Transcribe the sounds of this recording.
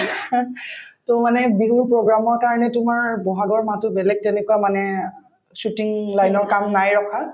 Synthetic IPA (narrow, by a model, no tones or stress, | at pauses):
tomanɛbiɦuɹpɹɔɡɹamɔɹkaɹɔnɛtʊmaɹbɔɦaɡɔɹmatʊbɛlɛk̚tɛnɛkuamanɛ | sutiŋlajnɔɹkamnajɹɔkʰa